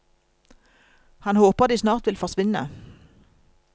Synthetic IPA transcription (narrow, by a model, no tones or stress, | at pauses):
hɑnhoːpəʁd̪iːsnɑːʁt̪ʋɪlfɔʁsʋɪnə̰